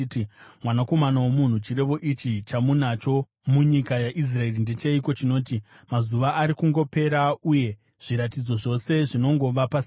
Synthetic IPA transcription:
timwanako̞manawomun̤ut͡ʃiɾe̞ʋo̞ʔit͡ʃit͡ʃamunat͡ʃo̞ | muɲikajaʔis̬rae̞rinde̞t͡ʃeiko̞t͡ʃino̞ːti | mazuʋaʔːɾikuŋɡo̞pe̞ɾauje̞ | ʐ̥iɾatid͡zo̞ʐo̞se̞ʐino̞ŋɡo̞ʋapas

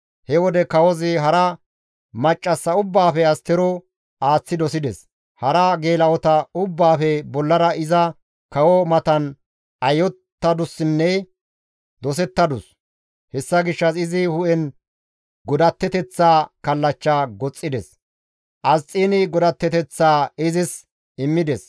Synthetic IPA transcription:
hɛwɔd̪ɛkɐwɔzɪɦɐɾɐ | mɐt͡ʃʼːɐsːɐʊbːaːfɛɐst̪ɛɾɔ | aːt͡sːɪd̪ɔsɪd̪ɛs | hɐɾɐɡe̞ːlɐwɔt̪ɐʊbːaːfɛbɔlːɐɾɐɪzɐ | kɐwɔmɐt̪ɐn | ɐjɔt̪ːɐd̪ʊsːɪnːɛ | d̪ɔs̬ɛt̪ːɐd̪ʊs | hɛsːɐɡɪʃːɐsɪzɪhʊʔɛn | ɡɔd̪ɐt̪ːɛt̪ɛt͡sːaːkɐlːɐt͡ʃːaːɡɔt͡sʼːɪd̪ɛs | ʔɐst͡sʼːiːnɪɡɔd̪ɐt̪ːɛt̪ɛt͡sːaːɪzɪs | ɪmːɪd̪ɛs

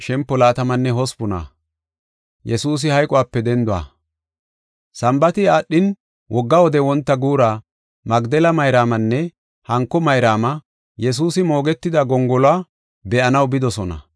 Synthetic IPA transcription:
ʃɛmpːɔlaːt̪ɐmɐnːɛɦɔspʊna̰ | jɛsuːs̬ɪhɐjkʼɔwaːpːɛd̪ɛnd̪ʊa̰ | sɐmbɐt̪ɪaːɗːɪn | wʔɔɡːɐwɔd̪ɛwɔnt̪ːɐɡuːɾaː | mɐɡd̪ɛlɐmɐjɾaːmɐnːɛ | hɐŋkːɔmɐjɾaːmɐ | jɛs̬uːsɪmo̞ːɡɛt̪ːɪd̪ɐɡɔŋɡɔlwa | bɛʔɐnɐwbɪd̪ɔsɔnɐ̰

